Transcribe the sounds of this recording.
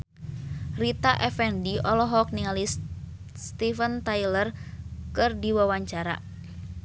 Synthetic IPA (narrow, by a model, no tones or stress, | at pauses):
rit̪aʔɛfɛndiɔlɔɦɔk̚niŋalis | st̪ifənt̪ailərkɨrdiwawaɲt͡ʃaɾa̰